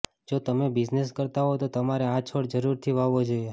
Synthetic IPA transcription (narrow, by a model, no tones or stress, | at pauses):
d͡ʒot̪əmebɪd͡ʒneskəɾt̪aɦot̪ot̪əmaɾeat͡ʃʰoɽd͡ʒəɾuɾt̪ʰiʋaʋːod͡ʒoie